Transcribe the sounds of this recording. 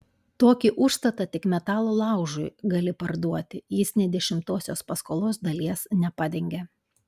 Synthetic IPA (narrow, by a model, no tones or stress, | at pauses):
t̪oːkʲiʔʊʃst̪ɐt̪ɐt̪ʲɪkmʲɛt̪ɑːlˠoːlˠɑˑʊʒʊɪɡɐlʲɪpɐɾd̪uɔt̪ʲɪjɪsnʲɛd̪ʲɛʃʲɪmt̪oːsʲoːspɐskoːlˠoːsd̪ɐlʲiɛsnʲɛpɑːd̪ʲɛŋʲɡʲɛ